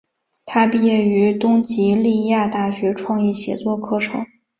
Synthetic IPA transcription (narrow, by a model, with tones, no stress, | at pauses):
t̪ʰa˥pi˥˩˧jɛ˥˩y˧˥t̪ʊ˥ŋt͡ɕi˧˥li˥˧ja˥˧t̪a˥˩ɕɥɛ˧˥ʈ͡ʂʰwɑ˥˧ŋjɛ˥˩ɕjɛ̰˧˥t͡swɔ˥˩kʰɤ˥ʈ͡ʂʰɤ̰˧˥˦ŋ